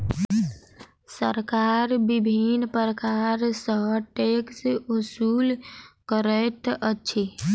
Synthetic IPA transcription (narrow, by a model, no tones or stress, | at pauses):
səɾkaːɾbibʱinpəɾəkaːɾsəɦʈeːkseʊsuːlkəɾɛt̪ətːʃʰi